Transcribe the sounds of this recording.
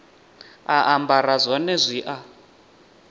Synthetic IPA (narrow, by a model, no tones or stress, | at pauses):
aʔambaɾazʷɔnɛzʷiʔa